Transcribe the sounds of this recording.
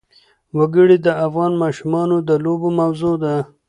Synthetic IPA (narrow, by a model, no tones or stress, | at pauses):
waɡəɽid̪əafɣɑnmɑʃumɑnod̪əlobomawzod̪a